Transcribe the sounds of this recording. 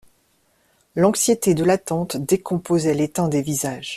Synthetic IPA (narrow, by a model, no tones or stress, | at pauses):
lɑ̃ksjet̪ed̪əlat̪ɑ̃t̪d̪ekʰɔ̃pozɛlet̪ɛ̃d̪evizaʒ